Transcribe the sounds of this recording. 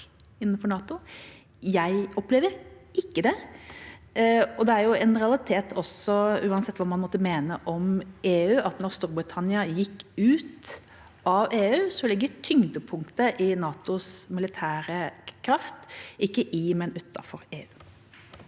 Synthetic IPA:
ɪnːənfɔɾɳɑːt̪ʊ | jæɪɔplɛːʋəɾʔɪkːəd̪ɛ | ɔd̪ɛæɾjʊɛnʁɛɑlɪt̪ʰeːt̪ʰɔsɔʉːɑnsɛt̪ːʋɑːmɑnmɔt̪ːəmeːnəʔɔmeːʉːʔɑt̪nɔɾst̪uːɾbʁɪt̪ʰɑnɪɑjɪkːʉːt̪ | ʔɑʋeːʉːsɔlɪɡːəʈʰʏŋd̪əpʰʊŋkt̪əʔɪnɑːt̪ʊsmɪlɪt̪ʰæːɾəkʰɾɑft̪ɪkːəʔɪmɛnʉːt̪ːɑ̰fɔɾeːʉː

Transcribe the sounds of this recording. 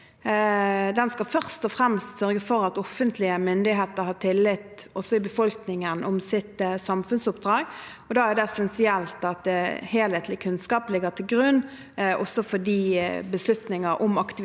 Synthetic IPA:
d̪ɛnskɑlfœʁst̪ɔfʁɛmst̪sœɾɡəfɔɾɑt̪ɔfənt̪lɪəmʏnd̪ɪɦeːt̪əɾhɑːʈʰɪlːɪt̪ːɔsːɔɪbəfɔlknɪŋənʔɔmsɪt̪sɑmfʉnsʊpd̪ɾɑːɡ | ɔd̪ɑːæd̪ɛɛsɛnsɪɛlt̪ɑt̪heːlheːt̪lɪkʰʉnskɑːplɪɡət̪ʰɪlɡɾʉnː | ʔɔ̰sːɔfɔdiːbəslʉt̪nɪŋəɾʔʊmɑkt̪ɪ

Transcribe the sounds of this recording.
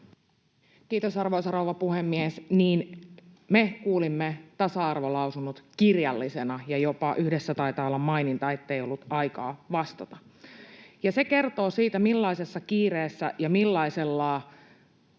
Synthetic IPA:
kiːt̪osɑrʋoisɑrouʋɑpuhemːiesniːn | mekuːlimːet̪ɑsɑɑrʋolɑusunut̪kirjɑlːisenɑjɑjopɑʔyhdesːæt̪ɑit̪ɑːolːɑmmɑinint̪ɑe̞t̪ːejo̞lːut̪ɑikɑ̰ːʋɑst̪ɑt̪ɑ | jɑse̞ke̞rt̪o̞ːsiːt̪æmilːɑisesːɑkiːreːsːæ̰jɑmilːɑiselːɑː

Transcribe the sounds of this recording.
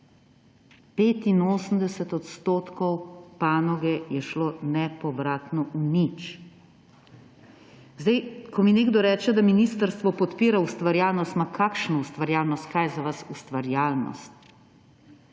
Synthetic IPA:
peːt̪inoːsəm̩d̪ɛsɛt̪ɔt̪st̪oːt̪kɔwpaːnɔɡɛjɛʃlonɛpɔbɾaːt̪nɔʔunit͡ʃ | zd̪ajkʰɔmineːɡd̪ɔɾɛːt͡ʃɛd̪aminist̪əɾst̪ʋɔpɔt̪piːɾaust̪ʋaɾjaːlnɔst̪makʰaːkʃnɔust̪ʋaɾjaːlnɔst̪̚kaːjzaʋasust̪ʋaɾjaːlnɔ̰st̪̚

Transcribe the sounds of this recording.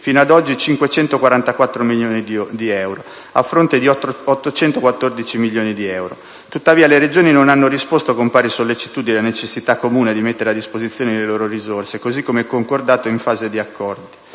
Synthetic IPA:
fiːnoad̪ɔd͡ʒːit͡ʃiŋkwet͡ʃɛnt̪okwaɾant̪akwat̪ːɾomiljoːnid̪d̪iɛwɾo | afːɾont̪ed̪iɔt̪ːot͡ʃɛnt̪okwat̪ːord̪it͡ʃimilːjoːnid̪iɛwɾo̰ | t̪ut̪ːaviːaleɾed͡ʒoːninonanːoɾispost̪oakompaːɾisolːet͡ʃi̥t̪uːd̪inelanet͡ʃesːit̪akːomuːned̪imet̪ːeɾead̪ːispozit̪sːjoːneleloːɾorizorsekozikːomeɛkːoŋkord̪aːt̪oiɱfaːzed̪iakːɔrd̪i

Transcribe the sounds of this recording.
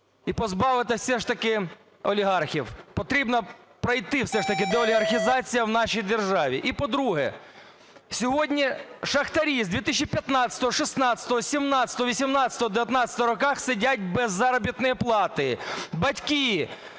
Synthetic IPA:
ipɔzbɑʋɪt̪ɪwsɛʂt̪ɐkɪ | ɔlʲiɦɑrxʲiwpɔt̪ɾʲibnɔ | pɾɐjt̪ɪwsɛʃt̪ɐkɪd̪ɛɔlʲiɦɐrxʲɪzɑt͡sʲijɐwnɑʃijd̪erʒɑʋʲiʔipɔd̪ɾuɦɛ̰ | sʲɔɦɔdʲnʲiʃɐxt̪ɐɾʲizd̪ʲʋʲit̪ɪs̬ʃʲt͡ʃːipʲjɐt̪nɑsʲɐ̥t̪ɔɦɔʃɪsnɑsʲɐ̥t̪ɔɦɔsʲimnɑt͡sʲsʲɐ̥t̪ɔɦɔʋisʲimnɑt͡sʲsʲɐ̥t̪ɔɦɔd̪ɪʋʲjɐt̪nɑt͡sʲsʲɐ̥t̪ɔɦɔɾɔkɑxsɪdʲatʲbɛzːɑɾɔbʲit̪nɔjiplˠɑt̪ɪbɐtʲki

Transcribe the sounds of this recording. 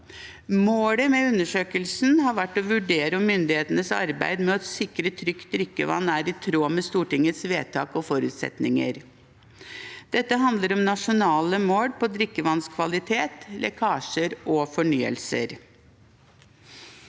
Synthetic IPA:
moːɽəmɛʉnːəʂøːkəlsn̩hɑɾʋæʈːɔʋʉɖeːɾəɔmʏnd̪ɪheːt̪ənəsɑ̰ɾbæ̰ɪd̪mɛɔt̪sɪkɾət̪ʰɾʏkt̪̚d̪ɾʏkːəʋɑ̰nːæːɾɪt̪ʰɾoːmɛst̪uːʈɪŋət̪sʋeːt̪ʰɑ̰ːkɔfɔɾʉ̰ːt̪sɛ̰t̪nɪŋə̰ɾ | d̪̥ɛt̪ːəɦɑnd̪ləɾɔmnɑʂʊnɑːləmoːɽpɔd̪ɾɪkːəʋɑnskʰʋɑlɪt̪ʰeːt̪lʔɛ̰kʰɑːʂəɾɔfɔɳyːə̰lsə̰ɾ

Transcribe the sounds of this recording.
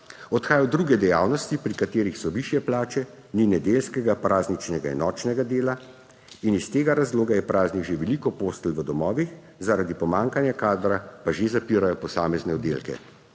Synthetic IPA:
ɔt̪xaːjɔd̪ɾuːɡɛd̪ɛjaːwnɔst̪ipɾikat̪eːɾixsɔʋiʃjɛplaːt͡ʃɛ | ninɛd̪eːlskɛɡapɾaːznit͡ʃnɛɡaḭnɔːt͡ʃnɛɡad̪eːla | inist̪eːɡaɾazloːɡajɛpɾaːzniɡʒeʋɛlikɔpoːst̪əlʋəd̪ɔmɔːʋix | zaɾad̪ipɔmaːŋkanjakaːd̪ɾapaʒezapiːɾajɔpɔsaːmɛznɛɔd̪ḛːlkɛ̰

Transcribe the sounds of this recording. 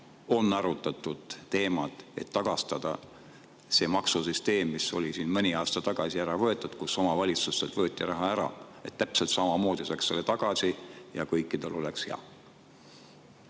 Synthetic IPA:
o̞nːɑɾut̪ːˑɑt̪ːˑud̪̥t̪e̞ːmɑt̪ˑe̞̰t̪ːɑɡ̥ɑst̪ɑd̪̥ɑ̰ | se̞mɑksusyst̪e̞ːmːiso̞̰lʲisiːnmɤnʲiɑːst̪ɑt̪ɑɡ̥ɑsiæɾɑvɤ̞e̞t̪ːˑud̪̥kuso̞mɑvɑlʲit̪susːelt̪vɤ̞ːt̪ˑːirɑɦɑæɾɑ̰e̞̰t̪t̪ːæpse̞lt̪sɑmɑmo̞ːd̪̥isɑksːe̞lːet̪ɑɡ̥ɑsijɑkɤjkːˑid̪̥e̞lo̞leksheɑ̰

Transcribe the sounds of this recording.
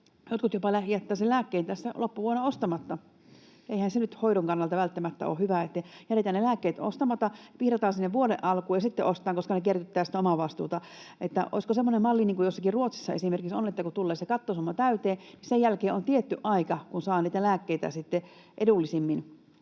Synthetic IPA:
jot̪kut̪jopɑlæhiæt̪ːæːselæːkːeint̪æst̪ːælopːuʋuoenːɑost̪ɑmɑt̪ːɑ | ʔeihænsenyt̪hoiɾoŋkɑnːɑlt̪ɑʋælt̪ːæmæt̪ːæ̰o̰ːhyʋæet̪ːejæɾet̪æːnelæːkːeːt̪o̰st̪ɑmɑt̪ɑpihrɑt̪ɑːnsinːeʋʋuoɾeʔʔɑlkuːjɑsit̪ːeʔost̪ˑɑːŋkoskɑnekert̪yt̪ːæːsit̪ːæomɑʋɑst̪ṵːt̪ɑ | ʔet̪ːæ̰ʔo̰iskosemːonemmɑlːiniːŋkujosːɑkiruot̪si̥sːɑesimerkiksonet̪ːækut̪ulːeːsekɑt̪ːosumːɑt̪æyt̪eːnisejjælkeːʔont̪iet̪ːyʔʔɑikɑkunsɑːniːt̪ælæːkːeit̪æ̰sit̪ːe | ʔedulːisimːin

